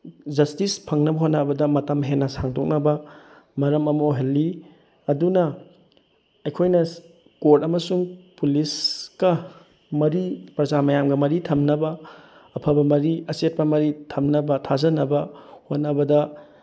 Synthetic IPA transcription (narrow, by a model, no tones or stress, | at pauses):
zɐstispʰɐŋnɐbɐɦonɐbɐdɐmɐtɐmɦenːɐsaŋtʰok̚nɐbɐ | mɐɾɐmɐmoɦelːi | ɐdunɐ | ɐjkʰojnɐ | koɾtɐmɐsuŋpuliskɐ | mɐɾipɾɐzamɐjamɡɐmɐɾitʰɐmnɐbɐː | pʰɐbɐmɐɾiɐset̚pɐmɐɾitʰɐmnɐbɐtʰazɐnɐbɐhonɐbɐdɐ